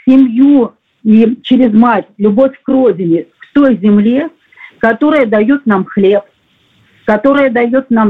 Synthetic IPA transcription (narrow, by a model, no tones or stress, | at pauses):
sʲɪmʲju | it͡ɕɪɾʲɪzmatʲlʲʊbo̞fʲkrodʲɪnʲɪft̪o̞jzʲɪmlʲe | kɐt̪o̞ɾəjəd̪ɐjo̞t̪̚namxlʲe̞p̚ | kɐt̪o̞ɾɨjəd̪ɐjo̞t̪nam